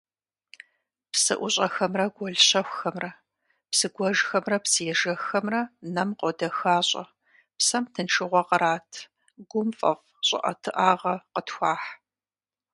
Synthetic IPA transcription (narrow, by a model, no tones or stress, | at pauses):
psɨ̰ʔʷʊɕʼɐxɐmrɐɡʷɔɮɕɐxʷxɐmrɐ | psɨɡʷɔʒxɐmrɐpsɨjɛʒɐxɐmrɐnɐmqɔdɐxaːɕʼɐ̰ | psɐmtʰɨnʈ͡ʂʰɨʁʷɔqəɾaːtʰ | ɡʷʊmfʼɐ̰f | ɕʼɪ̰ʔɐ̰tʰɨʔaːʁɐqətxʷaːħ